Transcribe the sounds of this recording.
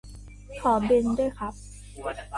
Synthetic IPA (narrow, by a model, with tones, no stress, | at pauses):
kʰɔː˩˦be˧ndu˥˩əjkʰa˦˥p̚